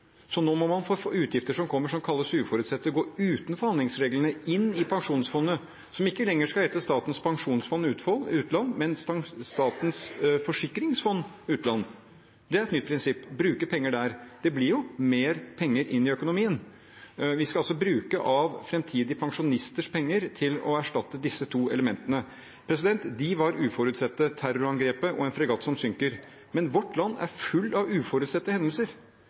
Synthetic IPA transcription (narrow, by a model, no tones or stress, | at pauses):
sɔnoːmɔmɑnfoːfoːʉːt̪ʰjɪft̪əʂɔmkʰɔmːəʂɔmkʰɑlːəsʉːfɔɾʉt̪sɛt̪ːəɡoːʉːt̪nfɔɾhɑnd̪ɪŋsɾeːɡlənəɪnːɪpʰɑŋʂuːnsfɔnːə | sɔmɪkːəlɛŋːəʂkɑɛːt̪əst̪ɑːt̪n̩spʰɑŋʂuːnsfɔnːʉːt̪fɔnːʉːt̪lɑnːmɛnst̪ɑːt̪nsfɔʂɪkːɾɪŋsfɔnːʉːt̪lɑnːə | d̪ɛæɾɛt̪nʏt̪̚ːpʰɾɪnsɪpːbɾʉːkəpʰɛŋːəɖæɾd̪̥ɛblɪɾjʊmeːɾpʰɛŋːəɾʔɪ̰nːɪœkʊnʊmiːən | ʋɪskɑɑlsɔbɾʉːkəʔɑʋfɾɛmt̪ʰiːd̪ɪpʰɑŋʂʊnɪst̪əʂpʰɛŋːəɾt̪ʰɪlɔ̰æʂʈɑt̪ːəd̪ɪsːət̪ʰuːɛ̰ləmɛnt̪ənə | pʰɾɛsɪd̪ɛnt̪d̪ɪʋɑɾʉːfɔɾʉːt̪sɛt̪ːət̪ʰæɾʊɾɑŋɡɾeːpəʔɔɛnfɾɛɡɑːt̪ːsɔmsʏŋkəɾ | mɛnʋɔʈːlɑnːæ̰ɾfʉlːɑʋʉːfɔɾʉːt̪sɛt̪ːəhɛnd̪əlsəɾ